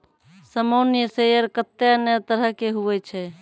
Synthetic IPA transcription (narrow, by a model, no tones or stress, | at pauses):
səmonjəsejəɾkət̪ːenət̪əɾəɦkeɦuʋɛt͡ʃʰɛ